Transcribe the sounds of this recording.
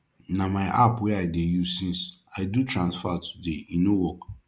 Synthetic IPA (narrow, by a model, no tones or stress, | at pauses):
namaɪʔa̰pwɛadejusĩnsaɪdutɹãnsfatʰu̥deĩnowɔk